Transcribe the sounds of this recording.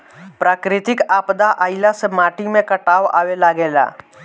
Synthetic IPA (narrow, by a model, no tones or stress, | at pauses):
pɾaːkɾɪt̪ɪkaːpd̪aʔaːɪlasemaːʈɪmẽkɐʈaːʋʔa̰ːʋelaɡeːla̰ː